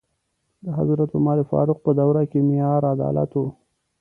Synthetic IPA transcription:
d̪əɦa̰zuɾat̪omɑɾefɑ̰ɾʊq̚pəd̪awɾakemɪjɑɾad̪ɑ̰la̰t̪o

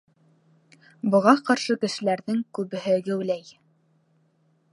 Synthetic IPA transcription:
bŏʁɑqɑɾʃɤkɘ̆ʃɘ̆læɾðɘŋkʉβɘ̆ɦɘɡɘ̆wlæj

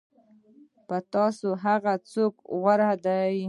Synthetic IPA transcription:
pət̪ɑsoɦaɣat͡sokɣwaɾad̪aj

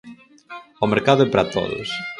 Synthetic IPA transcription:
omeɾkaðʊɛpɾat̪o̰ðʊ̰s

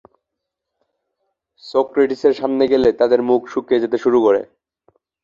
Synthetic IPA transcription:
sokɾeʈiseɾʃamneɡelet̪ad̪eɾmukʃukːed͡ʑet̪eʃuɾukoɾḛ

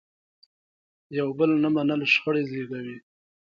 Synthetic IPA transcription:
jawbəlnamanəlʃxəɽezeɡawi

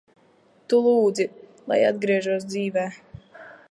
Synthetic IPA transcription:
t̪ulˠuːd̪zilˠa̰jad̪̚ɡɾiɛʒuɔs̬d̪ziːvɛː

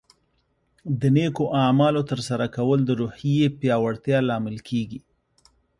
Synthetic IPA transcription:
d̪ənekoʔamɑlot̪əɾsaɾakawəld̪əɾuhijepjɑwaɽt̪jɑlɑmɪlkʰeɡi

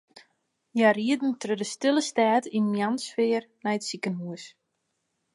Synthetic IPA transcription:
jariədn̩trødəstɪlˠəstaːtinmjansfɪːərnɛjətsikənɦuəs

